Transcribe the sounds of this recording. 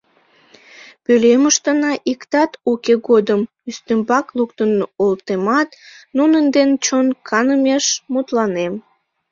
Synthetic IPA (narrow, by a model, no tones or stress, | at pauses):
pøleməʃt̪ənɑʔikt̪ɑt̪ukeɡod̪əm | yst̪ømbɑklukt̪ənolt̪emɑt̪nunənd̪ent͡ɕonkʰɑnəmeʃmut̪lɑnem